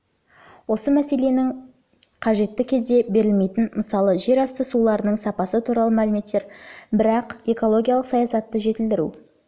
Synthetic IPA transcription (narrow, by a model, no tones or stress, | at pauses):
wo̞səmæse̞le̞nɪŋ | qʰɑʒe̞t̪ːɪkʲʰe̞zd̪e̞be̞ɾɪlme̞jt̪ɪnməsɑlˠəʒe̞ɾɑst̪əsulˠɑɾənəɴsɑpɑsət̪ʰuɾɑlˠəmælɪme̞t̪ːe̞ɾbɪɾɑqe̞ko̞lˠo̞ɡʲijɑlˠəqsɑjɑsɑt̪ːəʒe̞t̪ɪld̪ɪɾṵ